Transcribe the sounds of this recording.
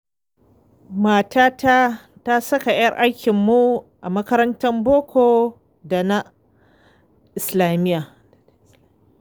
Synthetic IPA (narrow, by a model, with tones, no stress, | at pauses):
maː˨tʰaː˦ta˦ta˦sɐ˦ka˨j̰ɐ˦rʔa˦jkʲɪ˨mːu˦ʔa˨mɐ˦kɐ˦ɾɐ˦ntɐ˦mboː˦kʷoː˨ | da˨na˦ | ʔɪ˨slaː˨mɪ˦jaː˨